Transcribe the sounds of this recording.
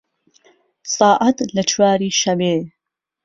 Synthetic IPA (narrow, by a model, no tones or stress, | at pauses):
sˤɑːʔɐt̪lɐt͡ʃʰwaːɾiːʃɐbeː